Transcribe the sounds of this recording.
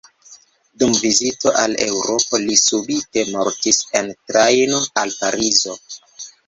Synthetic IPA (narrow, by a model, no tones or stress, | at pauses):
dumvizito̞ʔale̞̰wɾo̞po̞lisubite̞mo̞ɾtise̞ntɾajnoalpaɾizo̞